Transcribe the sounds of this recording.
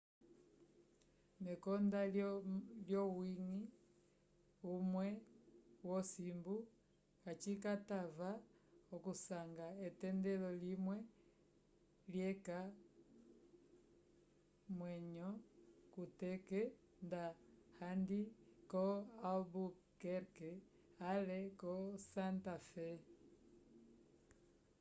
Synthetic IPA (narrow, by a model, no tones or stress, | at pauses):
nɛkɔnda | ljɔwiŋi | umwɛ | wɔsimbu | kat͡ʃikatavaɔkusaŋɡaɛtɛndɛlɔlimwɛ | ljɛka | mwɛɲɔkutɛkɛ | ndahandikɔabu | kɛɾkɛ | alɛkɔsantafɛ